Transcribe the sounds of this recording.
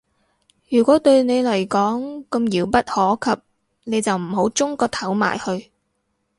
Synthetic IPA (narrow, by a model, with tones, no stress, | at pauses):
jyː˨˩kʷɔː˨˥t̪ɵ˧ɥne˨˧jlɐ˨˩jkɔː˨˥ŋkɐ˧mjiː˨˧wpɐ˥t̚hɔː˨˥kʰɐ˨p̚ | ne˨˧jt͡sɐ˨wm̩˨˩ɦo˨˥wt͡sʊ˥ŋkɔː˧t̪ʰɐ˨˥wma̰ː˨˩jhɵ˧ɥ